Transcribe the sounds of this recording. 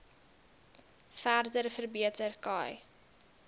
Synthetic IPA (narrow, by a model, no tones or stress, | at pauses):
færdərfərbiətərkɐj